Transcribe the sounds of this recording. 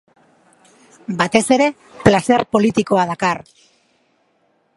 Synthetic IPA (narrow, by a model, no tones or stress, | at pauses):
bat̪e̞se̞ɾe̞ | plase̞rpo̞lit̪iko̞að̞akar